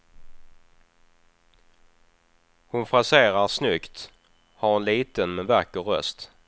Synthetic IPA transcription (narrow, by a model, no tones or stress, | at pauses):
hʊnfɾaseːɾaɾsnʏkt̪ | haɾhʊnliːt̪ənmɛnvakːəɾœ̰st̪